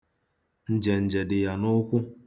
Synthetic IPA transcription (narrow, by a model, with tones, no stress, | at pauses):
n̩˨d͡ʒe˨n̩˨d͡ʒe˨dɪ˨ja˨nʊ˦kʷʊ˦